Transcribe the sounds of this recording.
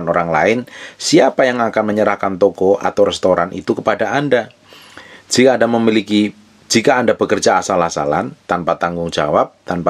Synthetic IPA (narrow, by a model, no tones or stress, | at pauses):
noɾaŋla̰ɪnsiapajaŋakanməɲəɾahkant̪ɔkɔʔa̰t̪awɾɛst̪oɾanʔḭt̪ukəpadaanda | d͡ʒ̥ikaːdaməmiliki | d͡ʒikaːndabəkərd͡ʒaːsalasa̰lant̪anpat̪aŋɡʊŋd͡ʒa̰wap̚t̪anpa